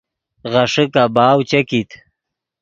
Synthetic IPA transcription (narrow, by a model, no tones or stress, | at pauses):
ɣaʂəkabaːwt͡ɕakit̪